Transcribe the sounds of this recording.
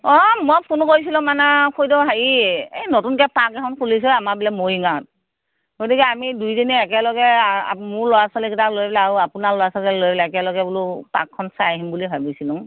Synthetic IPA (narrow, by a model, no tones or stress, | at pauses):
ɔmɔjpʰunkojs̬ilɔ̃manɛkʰojdɔɦaɹiejnotunkɛpakɛkʰɔnkʰulis̬ɔamaɹbilamojiŋat̚ | ɡotikiamidujdiniɛkɛlɔɡɛamʊɹlɔjasɔlɛkitalojbɛlɛːɹuapunalɔjasɔlkɛlojbɛlɛɛkɛlɔɡɛbulupa̰kʰːɔnsajɦimbulibʱabisilʊ̃ŋ